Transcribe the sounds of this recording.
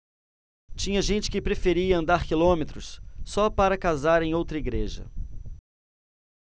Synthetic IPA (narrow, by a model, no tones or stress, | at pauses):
t͡ʃĩɲɐʒẽnt͡ʃɪ̥kɪpɾefeɾiɐɐ̃nd̪aɾkilõmet̪ɾʊssɔpaɾɐkazaɾẽj̃owt̪ɾɐiɡɾeʒɐ̰